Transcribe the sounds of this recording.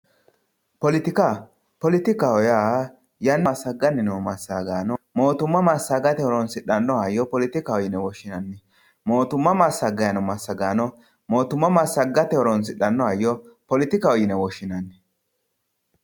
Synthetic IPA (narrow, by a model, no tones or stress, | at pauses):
pɔlɪt̪ɪka | pɔlɪt̪ɪkahɔja | jɐnːsːɐɡɐnːɪnɔmɐsːaɡaːnɔmo̞ːt̪ʊmːɐmasːɐɡɐt̪ɛhɔɾɔnsɪɗːɐnːɔɐjɔpɔlɪt̪ɪkaɔjɪnɛwɔʃːɪnɐnːɪ | mo̞ːt̪ʊmːɐmasːɐɡɐjɐnɔmɐsːɐɡaːnɔ | mo̞ːt̪ʊmːɐmasːɐɡɐt̪ɛɔɾɔnsɪɗːɐnːɔɐjːɔpɔlɪt̪ɪkaɔjɪnɛwɔʃːɪnɐnːɪ